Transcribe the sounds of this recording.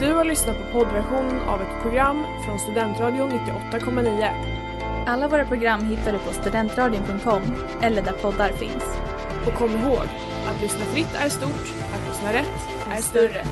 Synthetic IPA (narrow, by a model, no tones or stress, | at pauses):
d̪̥ɵhaɭʏsnat̪̚pʰɔpʰɔd̪væɾɧuːnəna̰vɛt̪pʰɾʊɡɾamːfɾɔnst̪ɵd̪ɛnt̪ɾɑːd̪ɪʊnːɪt̪ːɪʔɔt̪ːakʰɔmːaniːə | ʔalːavoːɾapʰɾʊɡɾamːɦɪt̪ːad̪ɵpʰɔst̪ɵd̪ɛnt̪ɾɑːd̪ɪʊŋpʰɵŋt̪̚kʰɔmː | ʔɛlːəɖæɾpʰɔd̪ːaɾfɪ̰ns | ʔɔkʰɔmːɪɾɦoːɡ | at̪lʏsnafɾɪt̪ːæɾʂt̪uːʈ | ʔat̪lʏsnaɾɛt̪ː | ʔæʂt̪œɾːə